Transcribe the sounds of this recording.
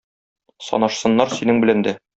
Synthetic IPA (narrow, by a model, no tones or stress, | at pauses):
sɒ̰nɑʃsɤ̆nːɑɾsinɘŋbɘ̆lænd̪æ